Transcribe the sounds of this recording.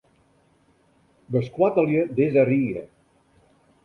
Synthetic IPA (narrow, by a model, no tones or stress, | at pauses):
bəskwat̪əljəd̪ezariə̰